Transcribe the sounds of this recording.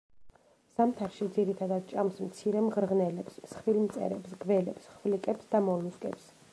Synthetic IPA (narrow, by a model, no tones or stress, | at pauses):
samt̪ʰaɾʃid̪ziɾit̪ʰad̪ad̪̚t͡ʃʼamsmt̪sʰiɾɛmʁɾʁnɛlɛpssχvilmt̪sʼɛ̰ɾɛpsɡvɛlɛpsχvlikʼɛpsd̪amɔlniskʼɛ̰ps